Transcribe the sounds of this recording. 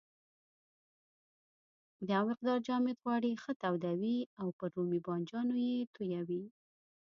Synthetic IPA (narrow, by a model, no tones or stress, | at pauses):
d̪əamɪq̚d̪ɑɾd͡ʒɑmɪd̪ɣwɑɽixət̪awd̪awiawpəɾomibɑnd͡ʒɑnojet̪ujawi